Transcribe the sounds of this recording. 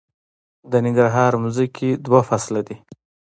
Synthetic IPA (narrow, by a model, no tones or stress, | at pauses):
d̪ənɪŋɡɾaɦɑɾmuzikʰid̪wafaslad̪i